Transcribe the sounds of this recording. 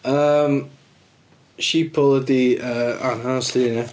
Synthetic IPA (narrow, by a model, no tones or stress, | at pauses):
əːm | ʃipʰʊlˠəd̪iəːa̰nhansɪnə